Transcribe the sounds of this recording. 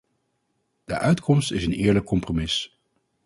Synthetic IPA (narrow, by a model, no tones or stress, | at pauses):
d̥əʔœɥtkʰɔmstɪsənɪːɹləkːɔmpromɪs